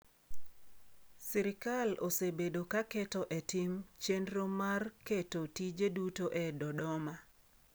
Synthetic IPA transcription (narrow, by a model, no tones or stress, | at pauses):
siɾɪkalosebedokakɛtɔʔɛtɪmt͡ʃendɾomarketotid͡ʒedutoʔɛdɔdɔma